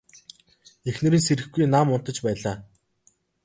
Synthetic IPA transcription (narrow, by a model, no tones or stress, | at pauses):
exnɘ̆ɾiːnseɾɘ̆xɡujnamʊn̥t̪ə̆t͡ɕpæːɮaː